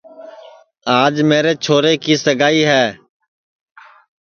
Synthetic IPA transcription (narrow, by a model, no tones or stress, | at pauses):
aːd͡ʒmeːɾeːt͡ʃʰoːɾeːkiːsəɡaːiːɦɛː